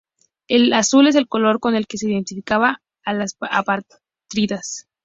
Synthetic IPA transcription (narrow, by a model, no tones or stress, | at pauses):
e̞lasule̞s̬e̞lko̞lo̞ɾko̞ne̞lke̞seiðe̞nt̪ifikaβaː | lasa̰paɾ | t̪ɾiðas